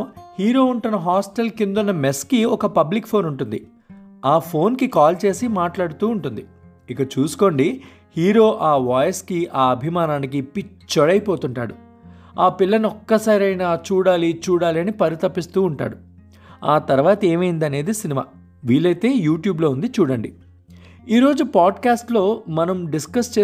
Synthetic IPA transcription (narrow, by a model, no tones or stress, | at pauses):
hiːɾo̞ːuɳʈunːɐɦaːsʈelkind̪unːɐmeskiɔkɐpɐblikpʰo̞ːnuɳʈund̪i | aːpʰo̞ːnkikaːlt͡ʃe̞ːsimaːʈlaːɽut̪uːɳʈund̪i | ikɐt͡ʃuːsu̥ko̞ːɳɖi | hiːɾo̞ːʔaːʋaːjɐskiʔaːɐbʱimaːnaːnik̬ipːi | t͡ʃɔɽɐjpo̞ːt̪uɳʈa̰ːɽu | aːpilːɐniɔkːɐsaːɾɐjnaːt͡ʃuːɽaːlit͡ʃuːɽaːliɐnipɐɾit̪ɐpːist̪uːɳʈa̰ːɽu | aːt̪ɐɾʋaːt̪ɐe̞ːmɐjind̪ɐne̞ːd̪isinima̰ː | ʋiːlɐjt̪e̞ːjuːʈjuːblo̞ːund̪it͡ʃuːɽɐɳɖi | iːɾo̞ːd͡ʒupaːɖkaːsʈlo̞ːmɐnɐmɖiskɐst͡ʃeː